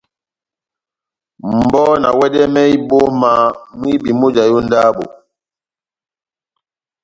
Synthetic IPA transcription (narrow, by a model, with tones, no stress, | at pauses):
m˨bɔ˦na̰˨wɛ˦dɛ˦mɛ˦i˦bo˦ma˨mwi˦bi˨mo˦d͡ʒa˨jo˦n˦da˦bo̰˨